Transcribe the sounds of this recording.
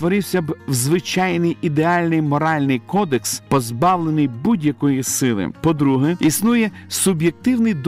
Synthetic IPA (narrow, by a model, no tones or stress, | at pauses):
ʋɔɾɪwsʲɐbwzʋɪt͡ʃɑjnɪjid̪eɑlʲnɪjmɔɾɑlʲnɪjkɔd̪ekspɔzbɑwlˠenɪjbudʲjɐkɔjisɪlˠɪ̰pɔd̪ɾuɦɛisnujɛsʊbjek̚t̪ɪwnɪjd̪